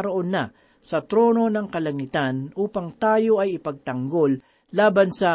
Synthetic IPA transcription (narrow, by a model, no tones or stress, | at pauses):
ɾoʔonːɐ | sɐt̪ɾo̞ːno̞nɐŋkɐlɐŋɪt̪anʔuːpɐŋt̪aːjo̞ɐjɪpɐɡ̚t̪ɐŋɡo̞lː | aːbɐnsɐ